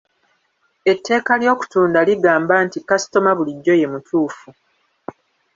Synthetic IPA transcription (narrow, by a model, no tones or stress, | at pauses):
e̞tʰːe̞ːkaljo̞ːku̥tuːndaliɡaːmbaːntikasi̥to̞maβuliɟːo̞je̞mutʰuːfu